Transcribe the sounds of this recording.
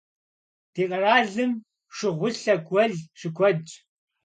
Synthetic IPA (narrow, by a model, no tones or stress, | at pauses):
d̥eːqʼɐraːɮɨm | ʂɪʁʷʊɬɐɡʷɐɮʂɪkʷʰɔd͡ʒʼ